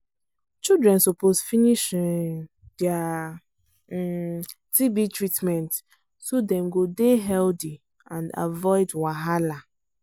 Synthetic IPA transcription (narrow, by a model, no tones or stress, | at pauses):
t͡ʃildɹɛ̃nsopozfiniʃĩŋ | dɛa | tibitɹitmɛ̃nt | sodɛ̃mɡodeɦɛldi | ãnda̰vɔɪdwaɦala